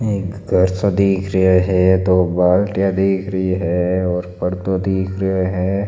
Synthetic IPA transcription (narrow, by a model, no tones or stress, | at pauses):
eːkɡʱɐɾsad̪iːkʰɾɐɦeɦɛt̪obaːlʈjad̪iːkʰɾəɦiɦɛɔːɾpɐɾt̪od̪iːkʰɾəɦeɦɛː